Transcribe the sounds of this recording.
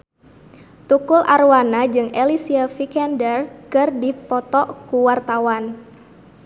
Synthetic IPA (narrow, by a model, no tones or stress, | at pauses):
t̪ukulʔarwanad͡ʒɨŋelisiafikɛndərkɨrdipɔt̪ɔʔkuwart̪awan